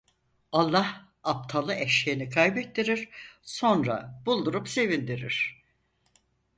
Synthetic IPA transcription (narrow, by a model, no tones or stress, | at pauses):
alˠːah | ap̚t̪ʰalˠɯʔɛʃejnikʰajbɛt̪ʰːiɾiɾ̥so̞nɾa̰bulˠd̪uɾupse̞vind̪iɾḭɾ̥